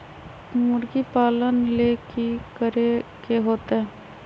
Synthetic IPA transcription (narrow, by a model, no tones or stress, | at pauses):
mʊɾɡipaːlənlekikəɾekeɦoːt̪eɦɛː